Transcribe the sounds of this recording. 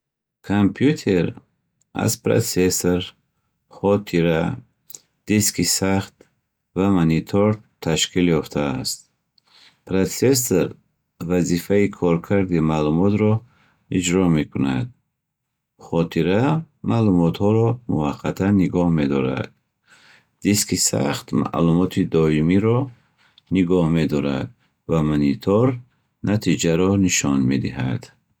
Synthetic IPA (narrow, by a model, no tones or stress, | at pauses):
kʰampʰjut̪ʰeɾ | a̰zpɾa̰t͡sesoɾ | χɔt̪ʰiɾa | d̪̥iskʰisaχt̪ | vamanit̪ʰɔɾt̪ʰaʃkʰiljɔft̪ʰaːst̪ | pɾat͡ses̬ɾ | vazifaikʰɔɾkʰaɾd̪imalumɔt̪ɾɔ | id͡ʒɾɔme̞kʰuna̰d̪̚ | χɔt̪ʰiɾa | malumɔt̪hɔɾɔmṵvaqʰːat̪ʰanːiɡɔhme̞d̪ɔɾa̰d̪̥̚ | d̪iskisa̰χt̪ma̰ʔlumɔt̪ʰid̪ɔimiɾɔ | niɡɔhme̞d̪ɔɾa̰d̪̚ | vamanit̪ʰɔɾ | nat̪ʰid͡ʒaɾɔniʃɔnmed̪iha̰d̪̥